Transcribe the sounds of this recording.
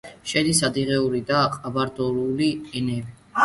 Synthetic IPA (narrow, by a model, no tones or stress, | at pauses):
ʃɛd̪isad̪iʁɛuɾid̪aqʼabaɾd̪ɔɾuliɛnɛbi